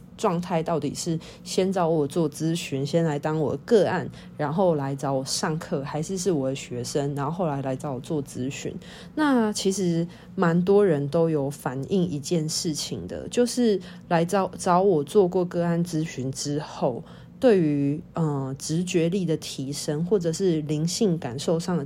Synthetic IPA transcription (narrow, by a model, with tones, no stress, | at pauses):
ʈ͡ʂwɑ˥˧ŋt̪ʰa˥˧ɪt̪ɑ˥˩ʊt̪ḭ˨˩ʂɻ̩˥˩ | ɕjɛ˥nt͡sɑ˧˥ʊwɔ˨˩t͡swɔ˥˩t͡sɹ̩˥ɕy˧˥nɕjɛ˦˥nla˧˥ɪt̪ɑ˥ŋwɔ˨˩d̪ə˦kɤ˥˧a˥˩n | ɻa˧˥nxo˥˩ʊla˧˥ɪt͡sɑ˧˥ʊwɔ˨˩ʂɑ˥˧ŋkʰɤ˥˩xa˧˥ɪʂɻ̩˥˧ʂ̬ɻ̩˥˩wɔ˨˩d̪ə˦ɕɥɛ˧˥ʂə˦ŋɻa˧˦nxo˥˧xo˥˩ʊla˧˥ɪla˧˥ɪt͡sɑ˥ʊwɔ˨˩t͡swɔ˥˨˩t͡sɹ̩˦˥ɕy̰˧˥n | na˥˨˩t͡ɕʰi˧˥ʂɻ̩˧˦ | ma˧˦nt̪̬wɔ˥ɻə˧˦nt̪o˥ʊjo˨˩ʊfa˨˩ni˥˩ŋi˧˦t͡ɕjɛ˥˧nʂɻ̩˥˩t͡ɕʰḭ˨˩ŋd̪ə̰˦t͡ɕjo˥˧ʊʂɻ̩˥˩ | la˧˥ɪɑ˥ʊt͡sɑ˨˥ʊwɔ˨˩t͡swɔ˥˧kwɔ˥˧kɤ˥˧a˥˩nt͡sɹ̩˦˥ɕy˧˥nʈ͡ʂɻ̩˦xo˥˩ʊ | t̪we˥˩ɪy˧˥˦ə˥˧ʈ͡ʂɻ̩˧˦t͡ɕɥɛ˧˥li˥˩d̪ə˩t̪ʰi˧˥ʂə˦ŋxwɔ˥˩ʈ͡ʂɤ˨˩ʂɻ̩˥˩li˧˥ŋɕi˥˩ŋka˨˩nʂo˥˧ʊʂɑ˥˨ŋə˩